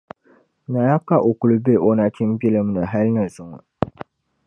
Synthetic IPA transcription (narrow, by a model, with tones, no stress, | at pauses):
na˨ja˦kːa˦ʔo˨ku˨lu˦be˦˨ʔo˦na˨ti˦m˦bi˦lɨ˦m˦nɨ˨ɦa˦lnɨ˨zʊ˨ŋʊ˨